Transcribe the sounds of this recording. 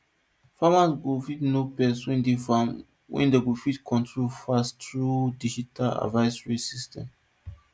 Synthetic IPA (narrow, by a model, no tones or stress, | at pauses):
famasɡofitnopɛsɔ̃ĩndifam | wɛ̰̃ndeɡofitkʰɔ̃ntɹolfastɹudid͡ʒitala̰dvaɪsɹisistʰɛ̰̃m